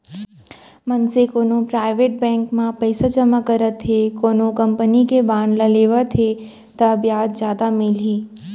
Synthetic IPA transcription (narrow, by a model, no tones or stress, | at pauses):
mɐnsekoːnõpɾaːɪʋeːʈ̚bɛ̃ːŋkmãpɛɪsad͡ʒɐmakːɐɾət̪ʰɦekoːnõkɐ̃mpənikebaːnlɐleːʋət̪ʰe | t̪ɐɐbjaːt̪d͡ʒjaːd̪amɪlɦiː